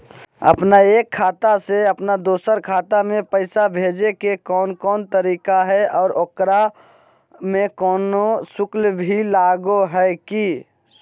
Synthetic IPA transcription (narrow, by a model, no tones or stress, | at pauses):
ə̰pnaeːkʰːaːt̪aseəpnad̪oːsəɾkʰaːt̪amẽpəɪsabʱeːd͡ʒekekɔːnkɔːnt̪əɾiːkaɦɛɔːɾokɾa | mẽkɔːnosʊklbʱilaːɡoɦɛki